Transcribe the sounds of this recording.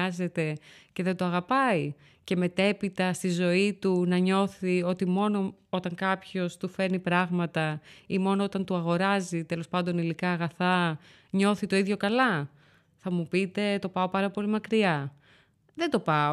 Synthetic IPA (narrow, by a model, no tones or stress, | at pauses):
ɐze̞t̪e̞ce̞ðe̞nd̪oɐɣɐpɐi | ce̞me̞t̪e̞pit̪ɐst̪izo̞it̪unɐɲo̞θio̞t̪imo̞no̞o̞t̪ɐŋkɐpço̞st̪ufe̞nipɾɐɣmɐt̪ɐimo̞noo̞t̪ɐnt̪uɐɣo̞ɾɐzit̪e̞lo̞spɐnd̪o̞nilikɐːɣɐθɐ | ɲo̞θit̪o̞iðʝo̞kɐlɐ | θɐmupit̪e̞t̪o̞pɐo̞pɐɾɐpo̞limɐkɾiɐ | ðe̞nd̪o̞pɐo